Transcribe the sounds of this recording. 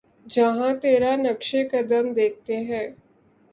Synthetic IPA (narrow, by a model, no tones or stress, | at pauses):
d͡ʒɐɦãt̪eːɾanɐkʃekɐd̪əmd̪eːk̚ʰt̪eɦɛ̃ː